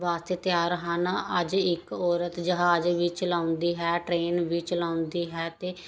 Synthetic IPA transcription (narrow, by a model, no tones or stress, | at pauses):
ʋaːst̪eːt̪jaːɾəɦaːnaəd͡ʒɪkɔːɾət̪d͡ʒəɦaːd͡ʒʋiːt͡ʃəlaːʊnd̪iːɦɛːʈɾeːnʋiːt͡ʃəlãːʊnd̪iːɦɛːt̪eː